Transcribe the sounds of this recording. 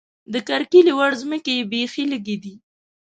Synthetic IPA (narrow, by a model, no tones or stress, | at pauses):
d̪əkaɾkilewaɽzməkebexiləɡed̪i